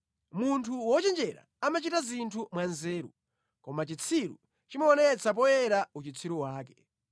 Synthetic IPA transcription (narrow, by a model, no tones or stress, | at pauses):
muntʰuwɔt͡ʃɛnd͡ʒɛɾa̰ | amat͡ʃitazintʰumwanzɛːɾṵ | kɔmat͡ʃit͡sʰiɾṵ | t͡ʃimaɔnɛt͡sʰap̬ɔjɛɾaut͡ʃit͡sʰiɾuwaːkɛ